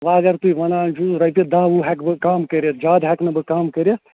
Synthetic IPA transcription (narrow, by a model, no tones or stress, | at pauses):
ʋaɐɡɐɾt̪uiʋɐnaːnt͡ʃʰuɾɐjpʲed̪ãːʋuɦɛkbɨkaːmkɐɾet̪d͡ʒaːd̪ɦɛknɐbɨkaːmkɐɾʲe